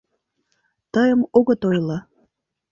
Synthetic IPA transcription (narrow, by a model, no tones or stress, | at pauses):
t̪əjəmoɣɤt̪ojlɑ